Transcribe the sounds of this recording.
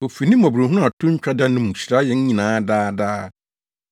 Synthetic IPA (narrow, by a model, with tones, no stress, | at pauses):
o˨fi˨nĩ˦m˦ɔ˨bu˨ɾo˨ɦu˦ʊ̃˦a˨tʰʊ̃˦ɲ̩˦t͡ɕᶣa˦da˦nʊ̃˦mũ˨ɕɾa˦jɛ˨ɲ̩˦ɲĩ˨nãː˨˦daː˦daː˦